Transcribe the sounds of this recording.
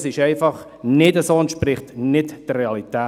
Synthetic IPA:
sɪʃɛɪfɑχ | nɪdəsoːɛntʃpɾɪχtnɪtd̥əreɑlitɛː

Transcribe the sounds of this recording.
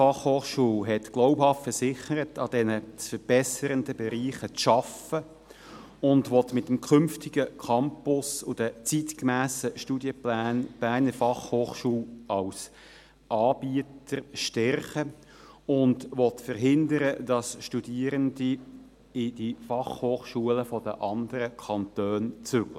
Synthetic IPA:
fɑχhoːχʃuːlɦɛtɡ̥loʊphɑftfəɾsɪχəɾətʰɑd̥ɛnət͡sfəɾb̥ɛsəɾəndəbɛɾiːχət͡sʃɑfə | ʊndʋɔt̪mɪtːəmkʰʏmftiɡəkʰɑmpʊsʊd̥ət͡sitkmæːsəʃtudjəplæːnb̥æːnəfɑχhoːχʃuːlɑws | ʔɑːb̥iətərʃtɛrχə | ʊndʋɔtfəɾɦɪnd̪əɾəd̥ɑsʃtudiəɾəndi | ɪd̥ifɑχhoːχʃuələfɔd̥ə̰ʔɑnd̪əɾəkʰɑnt̪øːnt͡sʏɡ̥lə

